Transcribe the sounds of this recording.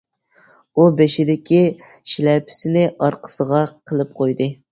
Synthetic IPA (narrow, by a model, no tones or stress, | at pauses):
ubeʃɪd̪ɪkʲi | ʃilɛpʰɪ̥sɪnɪʔɑɾqʰə̥səʁɑqʰəlˠɨp̚qʰojd̪ɨ